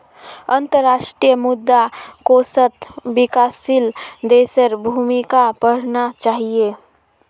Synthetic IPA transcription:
ənt̪əɾːaʃʈɾijəmud̪ːakosət̪bikasːild̪esəɾbʱumikapəɽ̤nat͡ʃaɦie

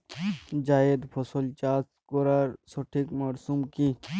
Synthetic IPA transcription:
d͡ʒaːed̪pʰɔsolt͡ʃaːskoɾaɾsoʈʰikmaɾsumki

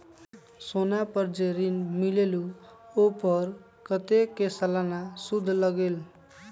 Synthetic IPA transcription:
sonapʌrd͡zeɾinmilelu | opʌr | kʌt̪ekesalanasud̪ʱːlʌɡel

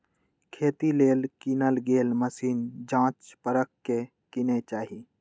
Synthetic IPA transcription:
kʰeːt̪ileːlkiːnəlɡeːlməsiːnd͡ʒãːt͡ʃpəɾəkːe | kinet͡ʃaːɦi

